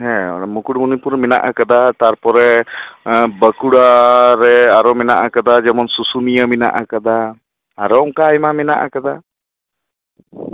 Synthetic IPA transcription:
ɦɛ̰̃mukuɽmunipuɾmina̰ʔakad̪at̪aɾpɔɾɛ | bəkuɽaɾɛaɾɔmɛnaʔakad̪ad͡ʒɛmɔnsusunijəmina̰ʔakad̪aː | ɾɔɔŋkaːjmamɛna̰ʔakad̪a

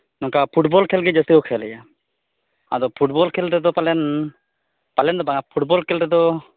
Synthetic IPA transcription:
nɔŋkapʰuʈbɔlkʰɛlɡɛd͡ʒəsiɔkʰɛlɛja | a̰d̪ɔpʰuʈbɔlkʰɛlɾɛd̪ɔpalɛn | palɛnd̪ɔbaŋapʰuʈbɔlkʰɛlɾɛd̪ɔ

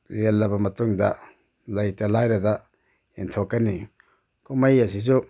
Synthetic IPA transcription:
ɾelːɐbɐmɐtuŋd̪a | lajtalajɾada | int̪ʰokani | kumajasis̬u

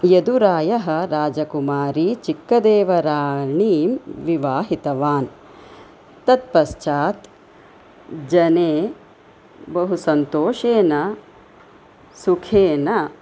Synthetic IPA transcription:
jed̪uɾaːjɐɦɐ̆ɾaːd͡ʒɐkumaːɾit͡ʃikːɐd̪eːʋɐɾaːɳiːmʋiʋaːɦit̪ɐʋaːn | t̪ːɐt̪̚pɐʃt͡ʃaːt̪ | d͡ʒɐneː | bɐɦusɐnt̪oːʃeːnɐ | sukʰeːnɐ

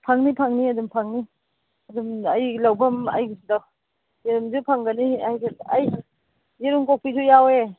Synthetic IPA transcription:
pʰaŋnipʰaŋniadumpʰaŋni | adumajlawpʰama̰jda | jeɾumzupʰaŋɡaniajzeaj | jeɾumkɔk̚pitʰujawe

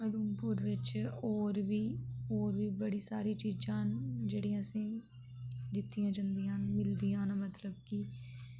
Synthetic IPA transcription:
əd̪uːmpʊɾʋɪt͡ʃoːɾʋiːoːɾʋiːbəɽiːsa̰ːɾiːt͡ʃiːd͡ʒãːnd͡ʒeːɽijãːəsĩː | d̪ɪt̪ːijãːd͡ʒãːnd̪ijãːnmɪld̪iːãːnaːmət̪ləbkiː

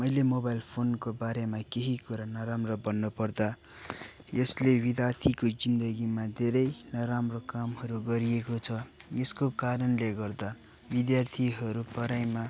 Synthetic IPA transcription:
mʌjlemobajlpʰonkobaɾemakeɦikuɾanʌɾamrʌbʌnːʌpʌrd̪a | jʌslebid̪jart̪ʰikod͡zind̪ʌɡimad̪ʱeɾʌjnʌɾamrokamɦʌɾuɡʌɾiekot͡sʰʌeskokaɾʌnleɡʌrd̪a | bid̪jart̪ʰiɦʌɾupʌɾajma

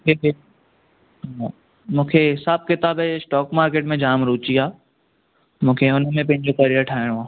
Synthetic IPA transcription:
kʰe | mũːkʰeɦɪsaːb̚kɪt̪aːbesʈɔːkmaːɾkeːʈmẽd͡ʑaːmɾuːt͡ɕiaː | mũːkʰeʊnmẽpɐ̃ɦɪ̃ɲd͡ʑokɐɾiəɾʈʰaːɪɽ̃oaː

